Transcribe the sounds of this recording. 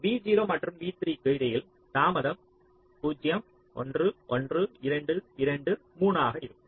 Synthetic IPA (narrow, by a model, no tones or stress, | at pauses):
ʋiːd͡ʒiːɾoːmɐʈrɯmʋiːt̪ɪɾikɯjðɐjɪl | t̪aːmɐðɐm | puːd͡ʒjɐm | ʔɔ̰ndrɯʔɔndrɯɪɾɐɳɖɯɪɾɐɳɖɯ | muːnaːɣɐɪɾɯ